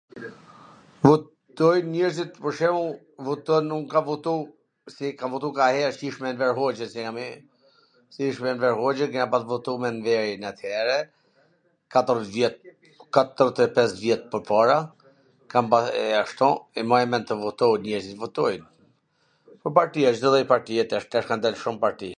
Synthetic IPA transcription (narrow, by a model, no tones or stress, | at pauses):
vɔ | t̪ɔjnɲɛɾzit̪̚pɔɾʃɛu | vɔt̪ɔnːukavɔt̪u | sikavɔt̪ukahɛɾt͡ʃiʃmɛnvɛɾɦɔd͡ʒɛnsiami | siiʃmɛnvɛɾɦɔd͡ʒənkɛnapat̪vɔt̪umɛnvɛɾnat̪ʰjɛɾɛ | kat̪əɾvjɛt̪̚ | kat̪əɾt̪ɛpɛsvjɛt̪̚pəɾpaɾa | kampaaʃt̪ɔɛmaɛmɛnt̪əvɔt̪ɔnɛɾzivɔt̪ɔjn | pəɾpaɾt̪iat͡ʃd̪ɔðɔjpaɾt̪iɛt̪ɛʃt̪aʃkand̪ɛlʃumpaɾt̪i